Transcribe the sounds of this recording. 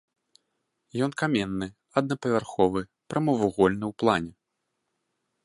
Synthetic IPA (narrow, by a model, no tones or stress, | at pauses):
jɔnkamʲɛnːɨ | ɐd̪nɐpɐvʲarxɔvɨ | pɾɐmɐvuɣɔlʲnɨwplˠanʲɛ